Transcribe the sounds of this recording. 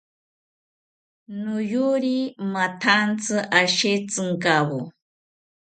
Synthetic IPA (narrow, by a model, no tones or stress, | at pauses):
nʊjuɾimat̪ʰant͡sɨʔaʃet͡sɨŋkaβo